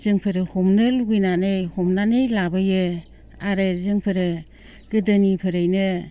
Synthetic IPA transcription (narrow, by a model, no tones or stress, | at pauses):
zɯŋpʰɯɾɯhɔmnɯluɡɯjnanɯjhɔmnanɯjlabɯjɯ | aɾɯzɯŋpʰɯɾɯ | ɡ̥ɯdɯnipʰɯɾɯjnɯ